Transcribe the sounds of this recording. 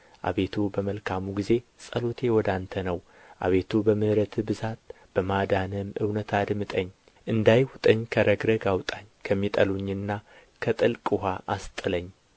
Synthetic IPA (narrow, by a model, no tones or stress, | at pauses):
ʔa̰βe̞t̪ʰubəməlkʰamuɡize̞sʼəlot̪ʰe̞wɔd̪ant̪ʰənəw | ʔa̰βe̞t̪ʰubəmɨhɾət̪ʰɨbɨzat̪̚ | b̥əmad̪anəmɨ̰wnət̪ʰad̪mɨt̪ʼəɲː | ʔɨnd̪ajwʊt̪ʼəɲːkʰəɾʔəɡɾəɡawt̪ʼaɲːkʰəmːit̪ʼəluɲːɨnːa | kʰət̪ʼɨlkʼuhaʔast̪ʼɨləɲː